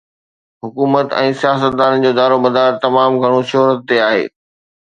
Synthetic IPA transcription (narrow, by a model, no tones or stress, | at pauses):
ɦʊkuːmət̪ɛ̰̃ːsijaːs̬ət̪̚d̪aːnən̆d͡ʑoːd̪aːɾobɐd̪aːɾt̪ɐmaːmɡʱɐɽ̃oʃoɦɾət̪ːeaːɦḛː